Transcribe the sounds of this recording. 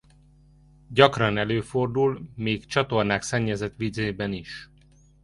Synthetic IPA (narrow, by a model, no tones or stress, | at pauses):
ɟɒkrɒnɛløːford̪ulmeːkt͡ʃɒt̪o̞rnaːksɛɲːɛzɛt̪ʋizeːbɛniʃ